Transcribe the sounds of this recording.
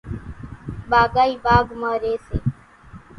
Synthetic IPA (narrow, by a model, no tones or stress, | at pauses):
ɓaːɡaːiːbaːɡmaːɾeːseː